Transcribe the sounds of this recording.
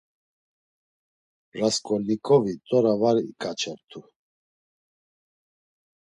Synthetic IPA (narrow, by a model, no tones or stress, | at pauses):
ɾaskʼɔlikʼɔvit̪ʼɔɾavaɾikʼat͡ʃʰɛɾt̪ʰu